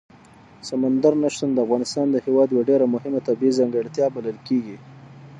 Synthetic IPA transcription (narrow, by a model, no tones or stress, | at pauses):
samand̪aɾnaʃt̪and̪əafɣɑnɪst̪ɑnd̪əhewɑd̪jwaɖeɾamʊhɪmat̪abiizaŋɡəɽt̪jɑbaləlkeɡi